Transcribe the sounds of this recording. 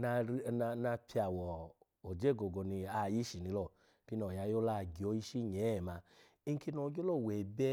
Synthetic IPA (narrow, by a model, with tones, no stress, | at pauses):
na˧ɾna˧na˧pʰi˧a˨wɔ˨ | o˨d͡ʒɛ˦˨ɡo˨ɡo˧nĩ˧a˧ji˦ʃi˨nĩ˨˧lɔ˦˨ | ti˦nɔ˨ja˨˧˦jo˦la˦˨ɡi˨o˨˦i˦ʃi˦ɲɛ˨˦˨ma˧ | i˦ŋ˦ki˦nɔ˧˦ɡo˦lɔ˦˨wɛ˨bɛ˦